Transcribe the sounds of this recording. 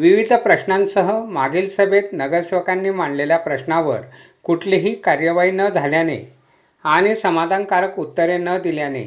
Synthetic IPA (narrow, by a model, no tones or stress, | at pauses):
ʋiʋid̪ʱəpɾəɕnãnsəɦəmaɡilsəbʱet̪nəɡəɾsʋəkanːiːmaɳɖleljapɾəɕnaʋə̰ɾ | kuʈʰleɦiːkaɾjəʋaiːnəd͡zʱaljanḛ | aɽ̃isəmad̪ʱankaɾəkut̪ːəɾenəd̪iljanḛ